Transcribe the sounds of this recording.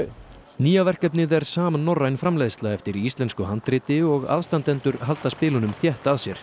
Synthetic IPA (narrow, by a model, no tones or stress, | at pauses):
niːjavɛr̥kɛpnɪðɛɾ̥saːmanːɔrːajnfɾamlejðst̪laɛft̪ɪɾiist̪lɛnskʏɦan̥t̪ɾɪːt̪ɪɔɣa̰ðst̪ant̪ɛnt̪ʏɾɦalt̪aspɪːlʏnʏmθjɛht̪aðsjɛɾ̥